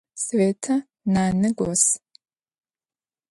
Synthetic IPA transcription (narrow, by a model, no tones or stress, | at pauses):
sweːtʰɐ | naːnɨɡʷos